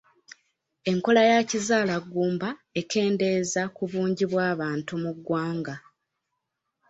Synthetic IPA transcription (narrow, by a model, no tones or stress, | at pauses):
e̞ŋko̞lajacizaːlaɡːuːmbae̞ke̞ːnde̞zakuβuːɲɟiβwaːβaːntumuɡːwaːŋɡa